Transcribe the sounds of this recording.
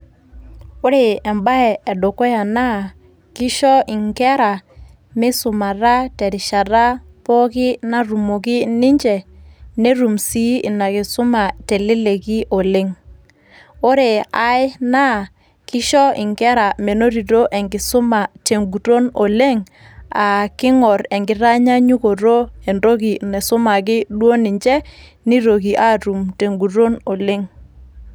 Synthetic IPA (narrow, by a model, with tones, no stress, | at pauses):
o˦ɾe˨ɛ˨mba˦ɛː˨do˨kɔ˦ja˨na˦ | ki˦ʃɔ˦ʔi˨ŋkɛ˦ɾa˨ | mi˦su˨ma˨ɾa˦tɛ˨ɾi˨ʃa˨ɾa˦ | pɔ˦ki˦na˨ɾu˨mo˨ki˦ni˦ɲd͡ʒɛ˨ne˦ɾu˨msi˦i˨na˨ki˨sʊ˦ma˨te˨li˦le˨ki˦ʔo˨le˦ŋ | o˦ɾe˨a˨jna˦˨ | kɪ˦ʃɔ˦ɪ̰˨ŋɡɛ˦ɾa˨me˨no˦ɾi˨ɾo˦ʔe˨ŋɡɪ˨sʊ˦ma˨te˨ŋɡu˨ɾo˦no˨le˦ŋ | a˨kɪ˦ŋɔ˨ɾe˨ŋɡɪ˨ɾa˦ɲa˦ɲu˦ko˨ɾo˦e˨ndo˦ɣi˨nɛ˨sʊ˦ma˨kɪ˦dwo˦ni˨ɲd͡ʒɛ˦ | ni˦ɾo˨ɣi˨ʔa˦ɾu˨mte˨ŋɡu˨ɾo˦no˨le˦ŋ